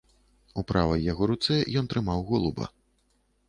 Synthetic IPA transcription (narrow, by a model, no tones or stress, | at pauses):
upɾavɐjːaɣɔɾut̪sɛjɔnt̪ɾɨmawɣɔlˠubɐ̰